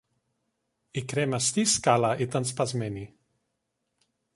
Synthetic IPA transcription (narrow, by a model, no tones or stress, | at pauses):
ikɾɛmast̪iskalaʔit̪anspazmɛni